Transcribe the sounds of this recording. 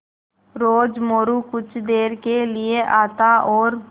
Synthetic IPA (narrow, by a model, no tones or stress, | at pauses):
ɾoːd͡ʒmoːɾukʊt͡ʃʰd̪eːɾkelɪeʔaːt̪aʔɔːɾ